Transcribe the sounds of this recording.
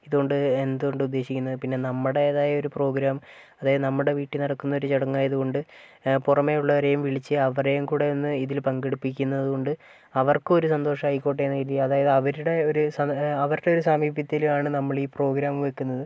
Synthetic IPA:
iðuɣo̞ɳɖɨend̪uɣo̞ɳɖɨud̪ːe̞ːɕikʲːunːɐðɨpinːe̞nɐmːɐɽe̞ːðaːjɐo̞ɾupro̞ːɡɾaːm | ɐðaːjɐðɨnɐmːuɽe̞ʋiːʈːinɐɽɐkːunːɐo̞ɾut͡ɕeɽɐŋːaːjɐðuɣo̞ɳɖɨ | purɐme̞juɭːɐʋɐɾe̞jumʋiɭit͡ɕːɨɐʋɐre̞jumkuːɽejonːɨiðilpɐŋɡeɽupːik̬ʲːunːɐðuɣo̞ɳɖɨ | ɐʋɐrkɨo̞ɾusɐnd̪o̞ːʂɐmɦɐjkːoːʈ̬ːenːɐiɾiɐðaːjɐðɨɐʋɐɾuɽe̞oɾusɐɐʋɐɾuɽe̞o̞ɾusaːmiːbjɐt̪ːilumaːɳɨnɐmːɐɭiːpro̞ːɡɾaːmʋekːunːɐðɨ

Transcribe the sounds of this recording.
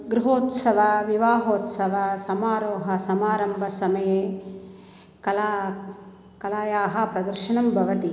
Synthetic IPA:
ɡɾuɦoːt̪sɐʋɐʋiʋaːɦoːt̪sɐʋɐsɐmaːɾoːɦɐsɐmaːɾɐmbʱɐsɐmɐjeː | kɐla | kɐlaːjaːɦɐ̆pɾɐd̪ɐɾʃɐnɐmbʱɐʋɐt̪i

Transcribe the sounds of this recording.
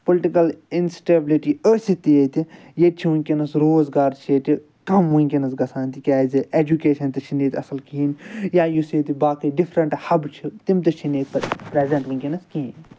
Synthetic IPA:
polɪʈikɐlinsʈeːbɪliʈiːəsit̪iet̪i | jet͡ʃʰiʋũkinɐsɾoːzɡaːɾt͡ʃʰeːt̪i | kɐmʋuŋʲkinɐsɡɐsʰaːnt̪ikʲaːziʔeːd͡ʒukeːʃɐnt̪it͡ʃʰineːt̪ʰʲɐsɐlkiːnjaːjuseːt̪ibaːkiɖifʰɾɐɳʈhɐbt͡ʃʰit̪imt̪ɐt͡ʃʰineːt̪ʲpɾezɐ̃ɳʈʋũŋʲkinɐskin

